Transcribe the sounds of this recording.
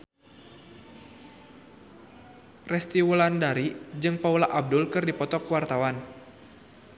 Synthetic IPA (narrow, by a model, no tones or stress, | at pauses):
rɛst̪iwulandaɾid͡ʒɨŋpaulaʔab̚dʊlkɨrdipɔt̪ɔkwart̪awan